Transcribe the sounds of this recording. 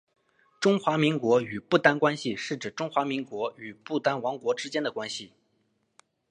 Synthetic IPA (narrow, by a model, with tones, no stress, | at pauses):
ʈ͡ʂʊ˥ŋxwa˧˥mi˧˥ŋkwɔ˧˥y˨˩pu˥˩t̪a˥nkwa˥nɕi˨ʂɻ̩˥˩ʈ͡ʂɻ̩˨˩ʈ͡ʂʊ˥ŋxwa˧˥mi˧˥ŋkwɔ˧˥y˨˩pu˥˩t̪a˥nwɑ˧˥ŋkwɔ˧˥ʈ͡ʂɻ̩˥t͡ɕjɛ˥nd̪ə˨˩kwa˥nɕi˨˩